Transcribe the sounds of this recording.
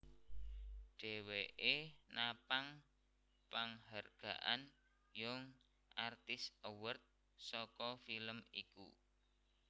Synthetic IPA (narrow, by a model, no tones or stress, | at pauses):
ɖ̥ɛ̤weʔenapaŋ | paŋɦarɡ̥ä̤ʔan | jʊŋ | ʔart̪ɪsəwərt̪̚ | sɔkɔfiləmikṵ